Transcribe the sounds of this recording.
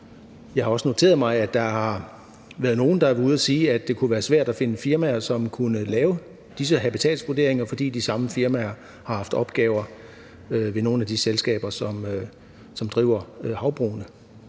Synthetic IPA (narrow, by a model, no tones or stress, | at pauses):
jɑ̈ɪhɑ̈ɒ̽səno̝t͡sʰe̝̰ːɐð̩ˠmɑ̈ɪæd̥ːɑ̈hɑ̈ | ʋæːɐðˠno̝ːn̩d̥ɑ̈æuð̞̩ˠæsiːæd̥ːe̝kʰuʋæːɐsʋæɐ̰d̥æfe̝nəfiɐmæːɐsɒ̽mkʰunəlɛːʊə | d̥is̬əɦæb̥it͡sʰɛ̰ːlsʋud̥e̝ɐ̰eŋɐfɒ̽d̥ḭːd̥isɑ̈məfiɐmæɐ | hɑ̈hɑ̈fd̥ɒ̽b̥ɡ̥ɛːʊɐ | øʋe̝no̝ːn̩æd̥iselsɡ̥ɛ̰ːb̥ɐsɒ̽mø | sɒ̽md̥ʁḭʊɐøhɑ̈ʊb̥ʁo̰ːnə